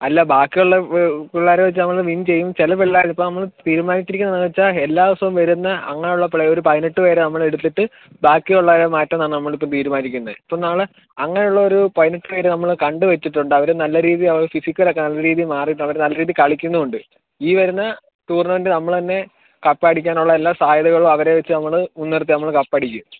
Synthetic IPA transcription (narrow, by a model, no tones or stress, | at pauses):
ɐlːabaːkːɨjuɭːɐkuɭːaːɾeʋet͡ɕːɨnɐmːɐɭʋint͡ɕe̞jːumt͡ɕelɐpeɭːaːipːonɐmːɐɭt̪iːɾumaːnikʲːiɾikʲːunːɐnɐt͡ɕːaelːaːʋɐsɐʋumʋɐɾunːɐʔɐ̰ŋːɐnejuɭːɐpɭɐo̞ɾupɐjɐnɐʈːɨpe̞ːɾenɐmːɐɭeɽut̪ːiʈːɨ | baːkːɨjuɭːaɾemaːtːɐmnaːɳnɐmːɐɭip̬ːot̪iːɾumaːnikʲːunːɐðipːoːnaːɭɨ | ɐŋːɐnejuɭːɐo̞ɾupɐjɐniʈːɨpe̞ːɾenɐmːɐɭkɐɳɖɨʋet͡ɕːiʈːuɳɖɨɐʋɐɾenɐlːɐɾiːðiɐʋɐɭfisikʲːɐlo̞kːenɐlːɐɾiːðijmaːriʈːɐʋɐɾenɐlːɐɾiːðikɐɭikʲːunːuuɳɖɨ | iːʋɐɾunːɐ | t̪uːrnɐʋɐndɨnɐmːɐɭt̪ɐnːe̞ | kɐpːaːɽikʲːaːnuɭːɐe̞lːaːsaːjɐðɐɣɐɭumɐʋɐɾe̞ʋet͡ɕːɨnɐmːɐɭmunːɐrt̪̬ːinɐmːɐɭkɐpːɐɽikʲːu